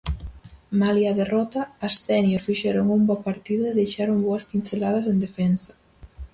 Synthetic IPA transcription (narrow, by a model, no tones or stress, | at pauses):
maljiaðerɔt̪aːssɛnjoɾfiʒeɾoŋumbɔpaɾt̪iðoeðejʃaɾumboaskinselað̞az̬end̪efɛnsḁ